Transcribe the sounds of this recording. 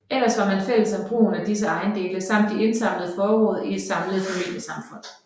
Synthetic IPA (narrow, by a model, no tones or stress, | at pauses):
el̰ɐsʋɑ̈mænfel̰əsæb̥ʁṵːn̩æd̥is̬əɑ̈ɪnd̥e̝ːləsɑ̈m̰d̥ie̝nsɑ̈m̰ləð̞̩ˠfɒːɔ̰ːð̞̩ˠie̝d̥sɑ̈mləð̩ˠpʰomḛːnəsɑ̈mfɔ̽n̰